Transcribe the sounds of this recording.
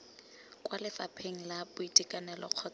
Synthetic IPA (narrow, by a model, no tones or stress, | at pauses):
kʼwalɪfapʰeŋ̩labʊitʼikʼanɛlɔ̰q͡χʰɔt͡s